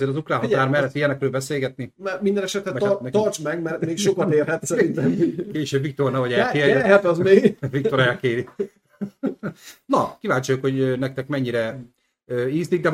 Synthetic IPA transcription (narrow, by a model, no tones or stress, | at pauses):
eːɾɒzukraːɦɒaːrmɛlːɛt̪ːijɛnɛkrøːlbɛseːlɡɛt̪nimɛrmind̪ɛnɛʃɛt̪ɾɛɛɛt̪ɔrt͡ʃmɛɡmɛrmeːkʃokɒt̪eːrɦɛt̪sɛɾint̪ɛmkeːʃøbvik̚t̪ornavɒɟɛːkeːɾjɛɛfɛzmeːɡvikt̪oɾajɛkeːɾi | nɒkivaːɲt͡ʃojukho̞ɟønɛk̚t̪ɛkmɛɲːiɾɛ | øːiːzniɡ̚d̪ɛm